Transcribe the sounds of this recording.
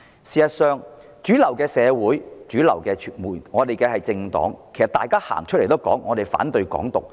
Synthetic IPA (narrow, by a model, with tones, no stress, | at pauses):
siː˨sɐ˨t̚sœː˨ŋ | t͡ʃyː˨˥lɐ˨˩wkɛː˧sɛː˨˧wuː˨˥jt͡ʃyː˨˥lɐ˨˩wkɛː˧t͡ʃʰːnmuː˨˩jŋɔː˨˧t̪e˨jkɛː˧hɐ˨jt͡sɪ˧ŋt̪ɔ̰ː˨˥ŋkʰe˨˩jsɐ˨t̪aː˨jkaː˥ha̰ː˨˩ŋt͡ʃʰɵ˥le˨˩t̪o˥wkɔ̰ː˨˥ŋːɔː˨˧t̪e˨˩jfa̰ː˨˥nt̪ɵ˧ɥkɔ̰ː˨˥ŋt̪ʊ̰˨k̚